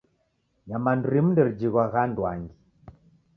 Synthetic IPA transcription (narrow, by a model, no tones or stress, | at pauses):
jamanduɾim̩ndɛɾid͡ʒiɣwaɣandwaŋɡi